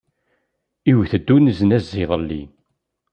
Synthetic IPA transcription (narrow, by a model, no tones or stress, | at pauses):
iwθəd̪ːunəznæzːɪðˤlːḭ